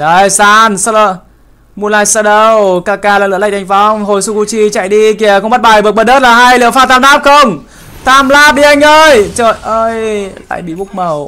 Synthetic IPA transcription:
ɗə˧˩jsaː˧nsa˧lə˧˩ | mu˧laː˧jsə˧ɗə˧wkaː˧˩kaː˧laː˨˩lɨ̰˧˨a̰ː˧˨jt̪ʰa˧˩jŋfa˧ŋ͡mɦo˨˩jsu˧ku˧t͡ɕi˧t͡ɕa̰˧˨jɗi˧ki˨˩əkʊ˧˥ŋ͡mmɓə˦˥t̚ɓa˨˩jvɨ˨˩t̚ɓəː˨˩ɗəː˦˥t̚laː˨˩ɦa˧jlḭ˧˨əwfaː˧˥t̪aː˧mnaː˦˥p̚xə˧wŋ͡m | t̪ʰaː˧˩mlaː˧˥ɓḭ˧˩ʔa˧jŋ̟ʔəː˧jt͡ɕəː˧˨jʔəː˧jla̰ː˧˨jɓḭ˧˨ɓʊ˦˥k͡p̚mə˨˩w

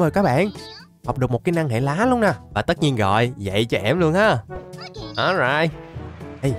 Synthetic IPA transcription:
məː˨˩jkaː˦˥k̚ɓa̰ː˧˨n | hɔ˨˩k͡p̚ɗɨ˨˩ək̚mo˨˩t̚kaː˨˧˦na˧ŋhḛ˧˩laː˨˦lu˧wnaː˨˩vaː˨˩t̪ə˦˥t̚ɲi˧ənɣɔ̰˧˨jzə̰˧˨jt͡ɕɔ˧ʔɛ˧˩mlu˧ənhaː˨˥ | ʔɔ˨˦za̰ː˧˨j | j

